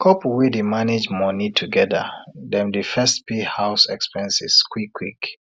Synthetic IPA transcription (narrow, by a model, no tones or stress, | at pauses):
kʰɔpwidimaned͡ʒmɔnitʰuɡɛðə̰dɛ̃mdifɛstpihaʊsɛkspɛ̃nsḭskʰwikʰːwik